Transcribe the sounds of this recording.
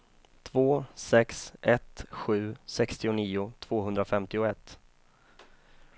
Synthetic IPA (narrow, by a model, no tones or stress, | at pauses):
t̪ʰvoːsɛksʔɛt̪ɧʉ̟ːsɛkst̪ɪʊniːʊt̪ʰv̥oːɦɵnd̪ɾafɛmt̪ɪʊɛt̪ː